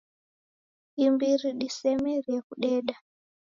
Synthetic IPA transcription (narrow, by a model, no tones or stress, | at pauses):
imbiɾiɗisɛmɛrekuɗɛːɗa